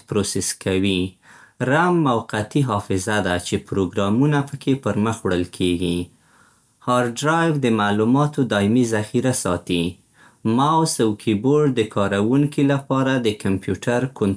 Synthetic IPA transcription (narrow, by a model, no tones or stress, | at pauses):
pɾoseskawi | ɾamːawqat̪iɦɑfɪzad̪at͡ʃepɾoɡɾɑmunapəkʰepəɾməxwɽəlkʰeɡi | hɑɾɖɾɑjvd̪əmalumɑt̪od̪ɑɪmizaxiɾasɑt̪i | mawsawkʰiboɾɖ̚d̪əkɑɾawuŋkilapɑɾad̪əkampjuʈaɾkʊn